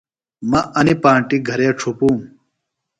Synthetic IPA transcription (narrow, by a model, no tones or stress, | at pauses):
mɐʔɐnipaːɳʈiɡʱɐɾeʈ͡ʂʰupũːm